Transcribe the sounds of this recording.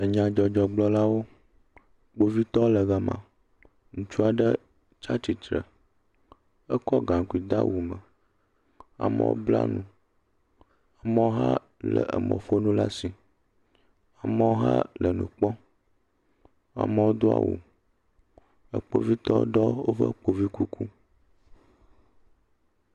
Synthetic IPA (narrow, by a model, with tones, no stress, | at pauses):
ə˨ɲã˨d͡ʒɔ˨d͡ʒɔ˨ɡ͡blɔ˦la˦wo˦ | k͡po˦vi˦t̪ɔ˦lə˨ɣa˨mã̰˨ | ŋũ˨t͡ʃu˦a˨ɖə˦ | t͡ʃa˦t̪i˨t̪ɾə̰˨ | ə˦kɔ˦ɡã˨ŋ˨ku˨i˨d̪a˦wu˨mə˨ | a̰˨mə̰˦wo̰˦bla̰˦nũ˦ | a˨mɛ˦wo˦ɦa˦ | lə̰˨ʔə˨mə̰̃˨fo˦nũ˦la˦si˨ | a˨mə˦wo˦ɦa˦lə˨nũ˨k͡pɔ˦ | a̰˨mə˦wo˦d̪o˦a̰˨wṵ˨ | ə˨k͡po˨vi˦t̪ɔ˦ɖɔ˦wo˦fə̰˦˨k͡po˨vi˦ku˦kʰu˦